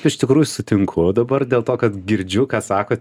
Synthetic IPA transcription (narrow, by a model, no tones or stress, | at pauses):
ɪʃt̪ʲɪkɾuːjʊsʊt̪ʲɪŋkʰʊd̪ɐbɐrd̪ʲeːlˠt̪oːkɐt̪ɡʲɪɾʲd͡ʒʲʊkɑːsɑːkoː